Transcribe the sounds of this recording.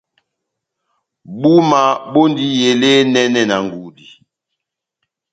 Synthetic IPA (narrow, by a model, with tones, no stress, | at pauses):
bu˦ma˨bo˦ndi˦je˨le˦nɛ˦nɛ˦na˨ŋ˨ɡu˨di˨